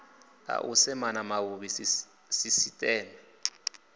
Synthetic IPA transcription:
a̰ʔusɛmanamawuɓi | sisitʼɛːnɛ

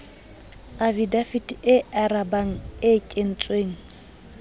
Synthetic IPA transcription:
avidafidɪarabaŋ̩ɪkʼen̩t͡sʼweːŋ̩

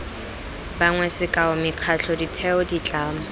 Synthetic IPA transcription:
baŋwɛsɪkʼaʊmɪq͡χʰat͡ɬʰɔditʰɛʊdit͡ɬʼaːmʊ

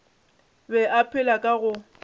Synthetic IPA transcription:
bɛʔapʰɪlakʼaɣʊ

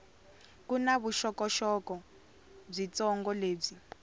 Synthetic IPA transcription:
kunaβuʃɔkɔʃɔkɔ | b͡ʐit͡sɔŋɡɔleːb͡ʐi

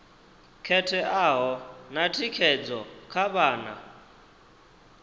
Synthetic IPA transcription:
kʰɛtʰɛʔaːɦɔnatʰikʰɛd͡zɔkʰaβaːna̰

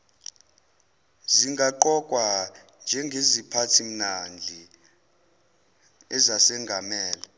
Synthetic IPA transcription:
ziŋɡʱaǃɔkʼwa | nd͡ʒʱɛŋɡʱezipʰatʰim̩nand͡ɮʱi | ɛzasɛŋɡʱamɛːla

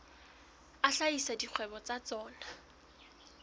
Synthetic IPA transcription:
aɬaisadik͡xʰwɛbɔt͡sat͡sɔːna

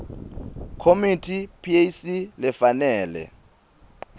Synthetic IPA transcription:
kʰomitʰipʰiejsilɛfanɛːlɛ̰

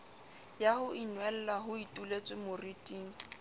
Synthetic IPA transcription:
jahʊʔinwɛl̩laɦʊitʼulet͡sʼɪmʊritʼiːŋ̩

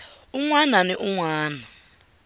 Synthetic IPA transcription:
uŋwananiʔuŋwaːna

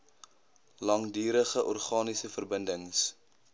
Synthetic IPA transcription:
lɐŋdiːɾəχəʔɔrχɑːnisəfərbəndəŋs

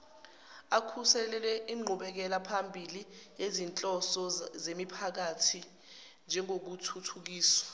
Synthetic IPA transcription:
akʰusɛlɛlɛiŋ͡ǃʱuɓɛk̬ɛlapʰambʱilijezint͡ɬʼɔsɔzemipʰak̬atʰi | nd͡ʒʱɛŋok̬utʰutʰuk̬iːswḁ

